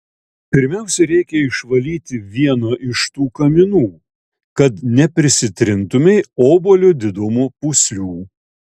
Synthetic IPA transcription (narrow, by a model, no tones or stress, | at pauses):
pʲɪɾʲmʲɛˑʊsʲɛɾʲɛɪkʲɛɪʃʋɐlʲiːt̪ʲɪʋʲiɛnoːʔɪʃt̪uːkɐmʲɪnuː | kɐt̪nʲɛpʲɾʲɪsʲɪt̪ʲɾʲɪnt̪ʊmʲɛɪoːbolʲʊd̪ʲɪd̪ʊmupʊsʲlʲuː